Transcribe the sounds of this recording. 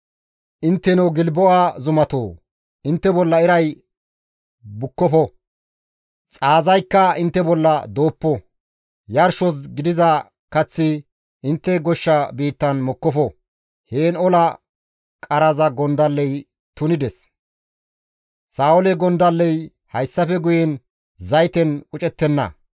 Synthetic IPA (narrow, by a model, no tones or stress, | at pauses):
ʔɪnt̪ːɛnɛwɡɪlbɔʔaːzʊmɐt̪o̰ː | ɪnt̪ːɛbɔlːɐɪɾɐj | bʊkːɔfɔ | t͡sʼaːzɐjkːɐɪnt̪ːɛbɔlːɐd̪o̞ːpːɔ | jɐɾʃɔs̬ɡɪd̪ɪzɐ | kɐt͡sːɪ | ɪnt̪ːɛɡɔʃːɐbiːt̪ːɐnmɔkːɔfɔ | heːnɔlɐ | kʼɐɾɐzɐɡɔnd̪ɐlːɛj | t̪ʊnɪd̪ɛs | saːʊlɛɡɔnd̪ɐlːɛj | hɐjsːɐfɛɡʊjɛn | zɐjt̪ɛnʊt͡ʃʼɛt̪ːɛnːɐ̰